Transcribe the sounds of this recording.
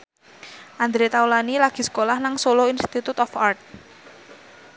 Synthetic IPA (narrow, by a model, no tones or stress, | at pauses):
ʔand̪ɾet̪aulanilaɡ̥i̤sə̥kolahnaŋsoloinst̪it̪ut̪ɔfart̪̚